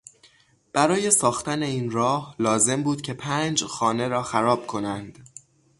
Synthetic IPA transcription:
b̥æɾɒːje̞sɒːxt̪æne̞iːnɾɒːhlɒːze̞mbuːd̪̥̚cʰe̞pʰæːnd͡ʒxɒːne̞ɾɒːxæɾɒːb̥̚kʰo̞nænd̪̥

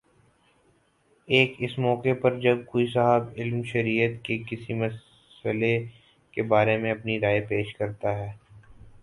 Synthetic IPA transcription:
eːkɪsmɔːkepɐɾd͡ʒɐb̚koːis̬aɦəbɪlmʃɐɾijət̪kekɪsimɐs | əle | kebaːɾemẽɐpniɾaːepeːʃkɐɾt̪aɦɛː

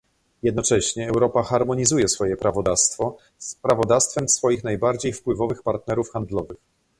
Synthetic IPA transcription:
jɛd̪nɔt͡ʂɛɕɲɛːwɾɔpaxaɾmɔɲizujɛsfɔjɛpɾavɔd̪ast̪fɔ | spɾavɔd̪afst̪fɛmsfɔjixnajbaɾd͡ʑejfpwɘvɔvɘxpaɾt̪nɛɾufxand̪lɔvɘx

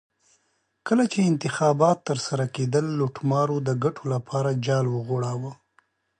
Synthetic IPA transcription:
kəlat͡ʃeɪnt̪ɪxɑbɑt̪ːəɾsaɾaked̪əlːoʈmɑɾod̪əɡaʈʰolapʰɑɾad͡ʒɑlwəɣoɽawə

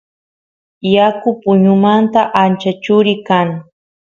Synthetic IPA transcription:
jakʊpʊɲʊmant̪aʔant͡ʃat͡ʃʊɾɪkaŋ

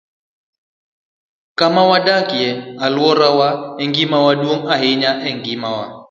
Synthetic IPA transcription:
kamawaɗakiɛalwɔɾawaɛŋɡimawaɗwoŋaɦeɲaʔɛŋɡimawa

